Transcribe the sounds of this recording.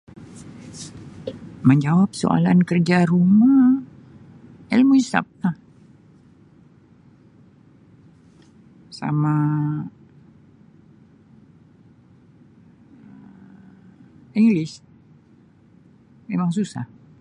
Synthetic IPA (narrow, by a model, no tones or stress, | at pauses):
məɲd͡ʒawap̚so̰a̰lankərd͡ʒaɾuma | ɛlmuisa̰p̚lah | sa̰ma | iŋɡlɪs | memaŋsusa̰h